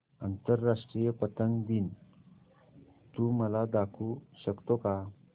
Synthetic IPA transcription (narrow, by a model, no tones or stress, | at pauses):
ant̪əɾːaʂʈɾijəpət̪əŋd̪iːn | t̪uməlad̪akʰuɕəkt̪oka